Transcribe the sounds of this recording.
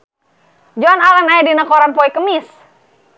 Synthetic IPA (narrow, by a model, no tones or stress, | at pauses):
d͡ʒoanalanajadinakoɾanpɔikəmɪs